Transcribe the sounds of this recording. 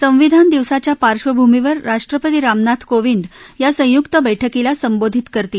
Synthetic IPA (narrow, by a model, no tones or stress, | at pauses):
sə̃w̃ʋid̪ʱand̪iʋsat͡ɕjapaɾʂʋəbʱumiʋəɾːaʂʈɾəpət̪iːɾamnat̪ʰkoʋind̪jasə̃jukt̪əbəjʈʰəkilasəmbod̪ʱit̪kəɾt̪iː